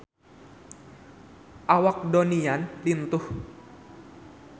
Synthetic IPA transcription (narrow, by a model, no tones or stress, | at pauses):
ʔawak̚donianlint̪ʊh